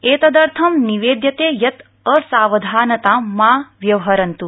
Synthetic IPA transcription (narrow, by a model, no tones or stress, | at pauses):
eːt̪ɐd̪ɐɾt̪ʰɐmniʋeːd̪jɐt̪eːjɐt̪ | ɐsaːʋɐd̪ʱaːnɐt̪aːmaːʋjɐʋɦɐɾɐnt̪u